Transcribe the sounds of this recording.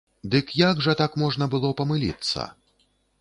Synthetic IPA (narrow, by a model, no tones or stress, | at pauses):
d̪ɨkjaɡʐɐt̪akmɔʐnɐbɨlˠɔpɐmɨlʲḭt̪sːɐ̰